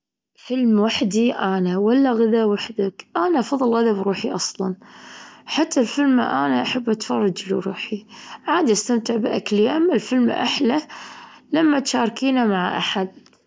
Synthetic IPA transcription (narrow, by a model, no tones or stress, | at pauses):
fɪlmwaħd̪iʔaːnawalːaɣaðawaħd̪akʔanaʔɑfɑðˤːɨlɣaðabɾuːħiʔɑsˤlɑn | ħat̪ːalfɪlma̰ʔaːnaʔaħabːʔat̪fɑrˤːɑd͡ʒluɾuːħiʕaːd̪iʔast̪amt̪ɪʕbʔa̰kliʔamːalfɪlmʔa̰ħlalamːat̪ʃɑːɾˤkiːnamaʕʔa̰ħad̪̚